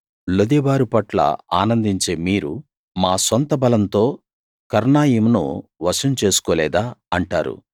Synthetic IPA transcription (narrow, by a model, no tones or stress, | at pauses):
lod̪ɛbaːɾupɐʈlɐ̰a̰ːnɐnd̪iɲt͡ʃe̞ːmiːɾṵ | maːsɔnt̪ɐbɐlɐnt̪o̞ː | kɐɾnaːjimnṵʋɐʂɐnt͡ʃe̞ːsu̥koːlɛːd̪aːɐɳʈa̰ːɾṵ